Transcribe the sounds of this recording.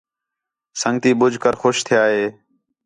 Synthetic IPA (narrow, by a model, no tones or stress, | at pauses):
səŋɡt̪iːɓʊd͡ʒʱkəɾxoːʃt̪ʰɪjaːɦeː